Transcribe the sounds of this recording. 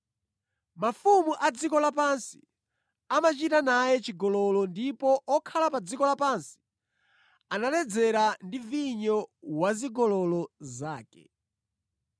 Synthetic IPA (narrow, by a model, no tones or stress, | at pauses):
mafumuʔad͡zikɔlapansi̥ | amat͡ʃitanajɛt͡ʃiɡɔlɔlɔndipɔʔɔkʰalapad͡zikɔlapansi̥ | analɛd͡zɛɾandiviɲɔwaziɡɔlɔlɔzaːkɛ̰